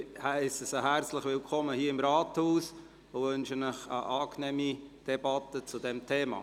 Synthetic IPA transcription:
hæɪsəsəɦæɾt͡sləχʋɪlkʰɔməhiːəɪmɾɑːthuːs | ʊʋʏnʃənəχə̰ʔɑːknɛmid̥ɛbɑt̪ət͡sudɛmtʰeːmɑ̰ː

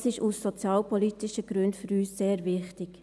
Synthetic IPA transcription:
sɪʃusːɔt͡sjɑːlpɔlitɪʃəɡ̥ɾøndfyɾyːsːeːɾvɪχtɪɡ̥

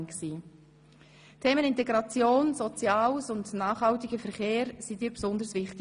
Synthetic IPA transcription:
nksiː | tʰeːmənɪntɛɡɾɑt͡sjoːnsɔt͡sjɑːwsʊndnaːχhɑltɪɡ̥əfɛɾχeːɾsidiːpsʊnd̪əɾsvɪχtɪ

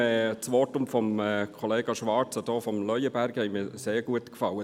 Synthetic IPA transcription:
ɛːt͡sʋɔtʊmfɔmɛkʰɔleːɡɑʃʋɑɾt͡səd̥ɔːfɔmlœʏjəbæɾɡhɛɪmiːseːɾɡuətkfɑwə

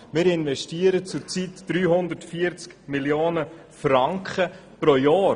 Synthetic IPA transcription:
mɪːɾɪnʋɛʃtiːəɾət͡sʊɾt͡sitd̥ɾyːɦʊnd̪əɾtfiəɾt͡skmiljoːnə | fɾɑŋkχə | pɾojɑː

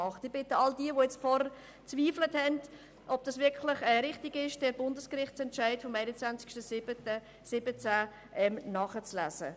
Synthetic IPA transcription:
ɑχtɪb̥ɪtəɑldiəʋojɛt͡sfɔɾə | t͡sviːfləthɛnd | ʔɔb̚d̥ɑsvʋɪɾkʰlɪχɛɾɪχtɪɡɪʃd̥ɛɾbʊndəskrɪχtt͡sɛntʃæɪtfɔmæɪnət͡sʋænt͡sɪ̥ʃtəsɪbət | sɪbət͡sæ | ʔɛmnɑːχət͡slæːzə̰

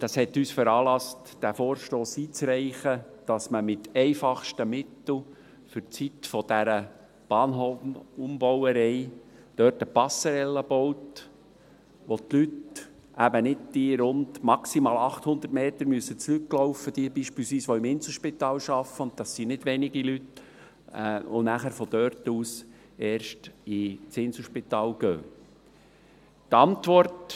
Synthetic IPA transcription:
d̥ɑshɛt̪yːsfəɾɑːlɑst | d̥æfoːɾʃtoːsiːt͡sɾɛɪχəd̥ɑsməmɪtɛɪfɑχʃtəmɪt̪l̩ | fʏɾt͡sit̪fɔd̥æɾə | b̥ɑːnɦoumbɔwəɾɛɪ | d̥œːtəpɑsəɾɛlːəb̥ɔwt | ʋot̪lyt | ʔæbənɪd̚d̥iɾʊndmɑksimɑːlɑχt̪hʊnd̪ətmeːt̪əɾmyəsət͡slykːlɔʊfəd̥iːbiːʃpiːlsʋiːsʋoɪmɪnsəʃpit̪ɑːlʃɑfəʊnt̪̚d̥̪ɑsːinɪd̥ʋɛniɡilyt | ɛo̰næχæɾfɔd̪œɾtuːs | eːɾʃtɪt͡sɪnsəʃpit̪ɑːlɡ̥øː | t̪ɑntʋɔrt

